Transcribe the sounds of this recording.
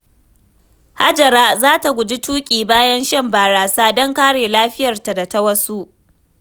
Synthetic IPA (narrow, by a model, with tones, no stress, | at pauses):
ha˦d͡ʒɐ˨ɾaː˦zaː˦ta˨ɡʷʊ˨d͡ʒi˦tuː˦kʲʼiː˨baː˦jɐ˦nʃɐ˦mbaː˨ɽaː˨saː˦dɔ˦ŋkaː˦ɽeː˨laː˦ɸɪ˦jɐ˨rta˨da˨tɐ˦wɐ˦su˦ʔ